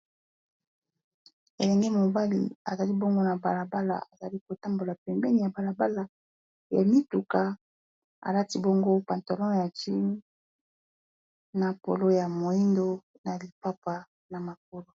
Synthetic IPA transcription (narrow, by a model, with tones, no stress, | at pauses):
e˨lɛ˨ŋɡɛ˦mo˨ba˦lḭ˨a̰˨za˨li˦bo˦ŋɡo˦na˨ba˨la˨ba˦la̰˨a˨za˨li˦ko˨ta˦mbo˨la˨pɛ˨mbɛ˦ni˨ja˨ba˨la˨ba˦la˨ | ja̰˨mi˦tu˨ka˨ | a̰˨la˦ti˦bo˦ŋɡo˦pa˨nto˨lɔ˦˨ja˨ti˦n˦ | na˨po̰˨lo˦ja˨mo˨i˦ndo˦ | na˨li˨pa˦pa˨ | na˨ma˨k̚o˨lo˦